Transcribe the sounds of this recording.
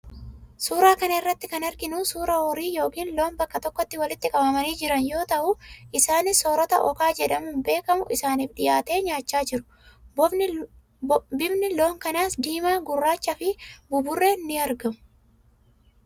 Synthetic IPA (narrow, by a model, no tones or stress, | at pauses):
suːɾaːkɐnɐɪrːɐt̪ːɪkɐnɐɾɡɪnuːsuːɾɐwɔɾiːjo̞ːkiːnlo̞ːnbɐkːɐt̪ɔkːɔt̪ːɪwɐlɪt̪ːɪkʼɐbɐmɐniːd͡ʒɪɾɐnjo̞ːt̪ɐʔʊɪsaːnɪsoːɾɔt̪ɐʔɔ̰kaːd͡ʒɛᶑɐmʊmbe̞ːkɐmʊʔɪsaːniːfᶑɪjaːt̪e̞ːɲaːt͡ʃːaːd͡ʒɪɾʊ̥ | bɪbnɪlo̞ːŋkɐnaːsd̪iːmaːɡʊrːaːt͡ʃːɐfɪbʊbʊrːenːɪɐɾɡɐmʊ̥